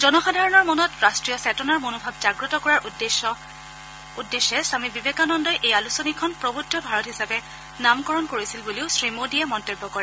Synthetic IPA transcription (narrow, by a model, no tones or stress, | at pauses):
zɔnɔxadʱaɹɔnɔɹmɔnɔtɹastɹijɔsɛtɔnaɹmonobʱab̚zaɡɹɔtɔkɔɹaɹd | udːesːɛsamibibekanɔndɔjʔejalusɔnikʰɔnpɹɔbutʰːɔbʱaɹɔtɦisapɛ | namkɔɹɔnkoɹisilbuliʊsɹimodiɛmɔntobːɔkɔɹɛ